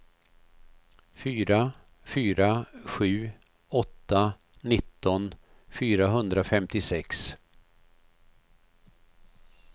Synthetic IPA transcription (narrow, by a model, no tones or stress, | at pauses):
fyːɾa | fyːɾaɧʉ̟ː | ɔt̪ːa | nɪt̪ːɔn | fyːɾaɦɵnd̪ɾafɛmt̪ɪsɛks